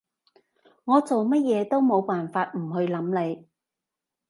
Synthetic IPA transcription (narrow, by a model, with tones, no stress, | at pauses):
ŋɔː˨˧t͡so˨wmɐ˥t̚jɛː˨˧t̪o˥wmo˨˧wpaː˨˩nfaː˧t̚m̩˨˩ɦɵ˧ɥlɐ˨˥mle˨˧j